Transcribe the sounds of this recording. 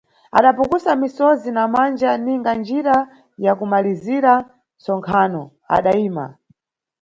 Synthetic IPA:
a̰ɗapukusamisɔzinamand͡ʒaniŋɡand͡ʒiɾa | jakumaliziɾa | sɔŋkʰanɔ | a̰ɗaiːma̰

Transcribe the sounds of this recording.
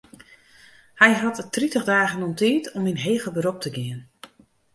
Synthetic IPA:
hɛjɦattritəɣdaːɣənɔntiːtʰɔminɦeːɣəbəɾop̚tʰəɡɪən

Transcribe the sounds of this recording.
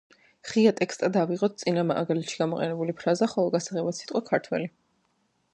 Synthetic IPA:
χiat̪ʼɛkst̪ʼad̪aviʁɔt̪̚ʰt̪sʼinamaʔa̰ɡalɛt̪ʃiɡamɔqʼɛ̰nɛbulipʰɾazaχɔlˠɔɡasaʁɛbat̪sit̪ʼqʼwakʰaɾt̪ʰwɛli

